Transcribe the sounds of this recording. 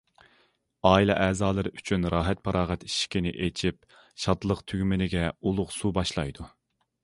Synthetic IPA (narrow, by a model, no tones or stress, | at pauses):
ɑːilˠɛʔɛːzɑːlˠɨɾɨyt͡ʃʰynɾɑːɦɛt̪̚pʰɑɾʔɑːʁɛt̪i̥ʃkʲinɪ̰ʔet͡ʃʰip̚ | ʃɑd̪lˠəqt̪ʰyɡʲmɪnɪɡʲɛulˠʊqsubɑʃlˠɑ̰jd̪u